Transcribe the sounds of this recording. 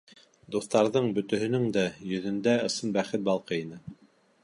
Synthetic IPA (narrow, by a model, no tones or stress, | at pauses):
d̪uθt̪ɑɾðɤɴbɵ̆t̪ɵ̆ɦɵ̆nɵŋd̪æjɵ̆ðɵ̆nd̪æɤ̆sɤnbæχɘt̪̚bɑlˠqɤinɘ